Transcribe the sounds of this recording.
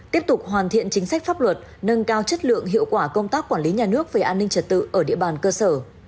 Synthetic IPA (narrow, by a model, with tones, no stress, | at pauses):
t̪i˦˥əp̚t̪ʊ˨˩k͡p̚ɦwaː˨˩nt̪ʰḭ˧˨ənt͡ɕï˨˦ŋ̟sa˦˥k̟faː˦˥p̚lwə˨˩t̚ | nə˧nkaː˧wt͡ɕə˦˥t̚lɨ̰˧˨əŋɦḭ˧əwkwaː˧˩kə˧wŋ͡mt̪aː˦˥kːwaː˧˩nli˨˦ɲaː˨˩nɨ˦˥ək̚vəː˨˩ʔaː˧nːï˧ŋ̟t͡ɕə˨˩t̚t̪ɨ̰˧˨ʔəː˧˩ɗḭ˧əɓaː˨˩nkəː˧səː˧˩